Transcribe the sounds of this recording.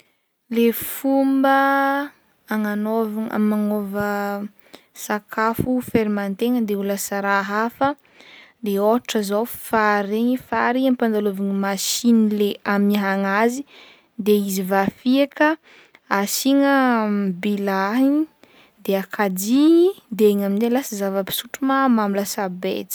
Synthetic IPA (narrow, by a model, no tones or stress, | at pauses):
lefumbə | aŋanovaŋa̰maŋovə | sakʰafufeɾimant̪eŋəd̪euləsaɾaɦafə | d̪eoʈ͡ʂəzowfaɾeɲifaɾiampand̪alovaŋimaʃinileʔamiɦaŋazi | d̪eizivafiakə | asiŋəbilaɦi | d̪eakʰad̪id̪eŋaminelasəzavəpi̥suʈ͡ʂumamamuləsabḛt̪i̥